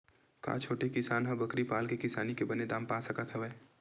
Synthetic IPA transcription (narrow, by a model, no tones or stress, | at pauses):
kã̰ːt͡ʃʰoːʈekɪsaːnɦɐ̃bɐkɾipaːlkekɪsaːnikebɐned̪aːmpaːsɐkat̪ʰɛʋɛː